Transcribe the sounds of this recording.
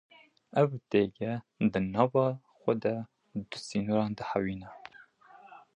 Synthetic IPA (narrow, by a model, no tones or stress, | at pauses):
ɛvt̪eɡɛ | d̪ɨnɑːvɑː | xʷɛd̪ɛ | d̪ɨsiːnoɾɑːnd̪ɨhawiːnɛ